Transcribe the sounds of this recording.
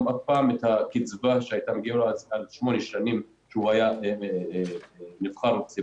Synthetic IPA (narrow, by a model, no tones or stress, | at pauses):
afpaːmet̪hakit͡svaʃeajt̪ameɡialalʃmo̞neʃanim | ʃeuaja | nivχaʁt͡si